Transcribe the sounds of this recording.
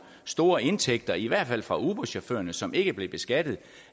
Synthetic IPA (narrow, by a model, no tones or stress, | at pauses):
sd̥o̝ːɐe̝nt͡sʰeɡ̥̚d̥ɐiʋæɐ̰d̥fæl̰fʁɑ̈ʔub̥ɒɕofø̰ːɐnəsɒ̽mʔe̝ɡ̥əb̥le̝b̥e̝sɡ̥æd̥ð̩ˠ